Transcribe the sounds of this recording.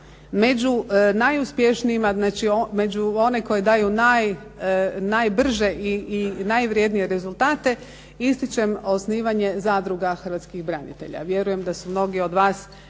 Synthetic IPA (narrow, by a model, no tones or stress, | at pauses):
me̞d͡ʒunajuspje̞ʃniimaznaːt͡ʃiomed͡ʒuo̞neko̞jed̪aːjunaj | najbr̩ʒeʔiinajʋɾje̞d̪nije̞ɾe̞zulˠt̪aːt̪e̞ | ist̪it͡ʃe̞mo̞sniːʋaɲe̞zaːd̪ɾuɡaxər̩ʋat̪skixbɾanḭt̪e̞̰ʎa̰ʋje̞ɾuje̞md̪asumno̞ɡio̞d̪ʋaːs